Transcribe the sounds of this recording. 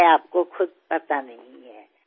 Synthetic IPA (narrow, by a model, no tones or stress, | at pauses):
ɛaːp̚kokʰʊd̪̚ʱpɐt̪anɐɦĩɦɛː